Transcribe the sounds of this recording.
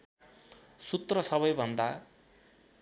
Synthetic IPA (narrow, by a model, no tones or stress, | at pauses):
sut̪rʌsʌβʌjbʱʌnd̪a